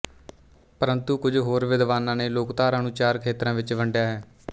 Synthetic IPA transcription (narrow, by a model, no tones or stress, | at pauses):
pəɾənt̪uːkʊd͡ʒɦoːɾʋɪd̪ʋaːnãːneːloːkt̪aːɾãːnuːt͡ʃaːɾkʰeːt̪ɾãːʋɪt͡ʃʋəɳɖjaːɦɛː